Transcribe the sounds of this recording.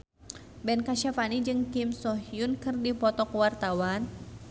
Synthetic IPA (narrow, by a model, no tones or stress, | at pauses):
bɛnkaʃafanid͡ʒɨŋkimsɔɦijunkɨrdipɔt̪ɔkwart̪awan